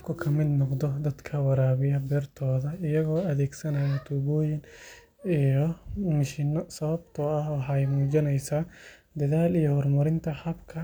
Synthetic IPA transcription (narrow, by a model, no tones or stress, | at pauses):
fkʰʊkʰɐmɪd̪nɔqd̪ɔd̪ɐd̪kʰɐwɑɾaːβɪjɐbɛːrt̪ʰɔːðɐɪjɐɣɔːɐðɛːɡsɐnɐjɐt̪ʰuɣɔːjɪn | ijɔmɪʃɪnɔsɐβɐbt̪ʰɔɐhwɑħɑjmuːd͡ʒɪnɛjsaː | d̪ɐðaːlijɔhɔrmʊɾɪnt̪ʰɐħɐbkʰɐ